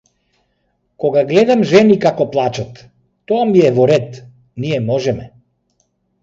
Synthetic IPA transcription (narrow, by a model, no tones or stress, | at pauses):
kɔɡaɡlɛd̪amʒɛnikakɔplˠat͡ʃat̪ː | ɔamiɛvɔɾɛt̪ | nijɛmɔʒɛmɛ